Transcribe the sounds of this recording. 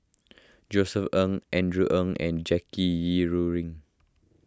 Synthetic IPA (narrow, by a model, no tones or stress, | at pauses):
d͡ʒosəfə̃ŋʔɛ̃ndɹuʔə̃ŋɛ̰̃nd͡ʒɛkijiɹuɹĩŋ